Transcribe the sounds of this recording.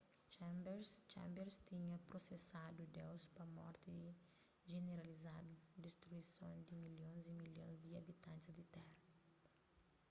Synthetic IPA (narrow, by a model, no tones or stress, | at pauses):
t͡ʃɛ̃mbeɾst͡ʃɛ̰̃mbeɾst̪iɲɐpɾosesad̪ud̪ewspɐmɔ̰ɾt̪ɪ | ʒeneɾalizad̪ʊd̪est̪ɾuisõnd̪ɪmiljõzimiljõ̰zd̪iɐbit̪ãnt̪ɪzd̪ɪt̪ɛɾɐ